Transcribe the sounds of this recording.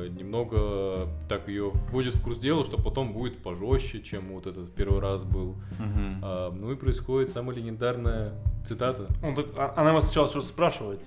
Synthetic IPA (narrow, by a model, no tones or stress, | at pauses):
nʲɪmno̞ɡət̪akɪjovːodʲɪt̪fkursdʲelˠəlˠʂt̪o̞pɐt̪o̞mbudʲɪt̪pɐʐoɕːɪt͡ɕemvot̪ɛt̪ət̪pʲe̞rvɨɾasbɨl̩ˠ | anuɪpɾəɪsxo̞dʲɪt̪saməjəlʲɪnʲɪnd̪arnəjət̪sɨt̪at̪əont̪akɐnamasnət͡ɕalˠət͡ɕot̪əspɾaʂɨvəɪt̪